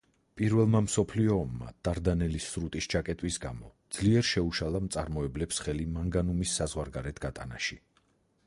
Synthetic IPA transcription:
pʼiɾvɛlˠmamsɔpʰliɔːmːa̰d̪̥aɾd̪anɛlisːɾut̪ʼist͡ʃʰakʼɛt̪ʼwisɡamɔd̪z̥liɛɾʃɛuʃalˠamt̪sʼaɾmɔɛblɛpsχɛlimaŋɡanumisːazʁwaɾɡaɾɛt̪ʰɡ̥at̪ʼa̰naʃi

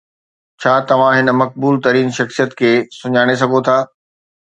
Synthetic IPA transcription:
t͡ɕʰaːt̪ɐʋ̤ãɦɪnəmɐk̚buːlt̪ɐɾiːnʃɐxsijət̪kʰeːsʊɲaːɽ̃es̬ɐɡʱot̪ʰaː

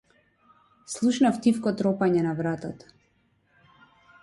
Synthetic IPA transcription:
slˠuʃnaft̪ifkɔt̪ɾɔpaɲɛnavɾat̪ɔt̪

